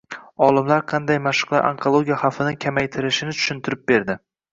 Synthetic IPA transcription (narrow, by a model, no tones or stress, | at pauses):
ɒlˠɪmlaɾqʰɑnd̪ajmaʃʊ̥qlˠaɾʔa̰ŋkʰolˠoɡʲijaχɑfɪnɪkʲʰamajt̪ʰɪɾɪʃɪnɪt͡ʃ̪ʰʊ̥ʃɪnt̪ʰɪɾɪp̚be̞ɾd̪ɪ